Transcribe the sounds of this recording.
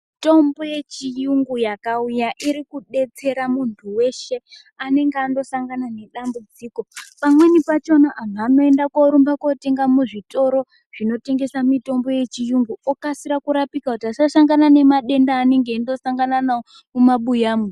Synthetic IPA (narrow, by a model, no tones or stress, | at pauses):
to̞mbo̞je̞t͡ʃijuŋɡujakaujaʔiɾikuɗe̞t͡se̞ɾamuntʰuwe̞ʃe̞ | ane̞ŋɡeando̞saŋɡanane̞ɗambud͡ziːko̞pamwe̞nipat͡ʃo̞naʔːn̤ano̞e̞ndakoɾumbako̞te̞ŋɡamuʐito̞ɾo̞ | ʐ̥ino̞te̞ŋɡe̞samito̞mbo̞je̞t͡ʃijuŋɡuokasiɾakuɾapikakutiasasaŋɡanane̞maɗe̞ndaːne̞ŋɡe̞indo̞saŋɡananao | mumaɓujaːme